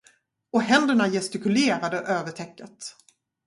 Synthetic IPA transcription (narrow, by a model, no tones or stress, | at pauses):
ɔɦɛnd̪əɳajɛst̪ɪkɵleːɾad̪əʔøːvəʈʰɛkːət̪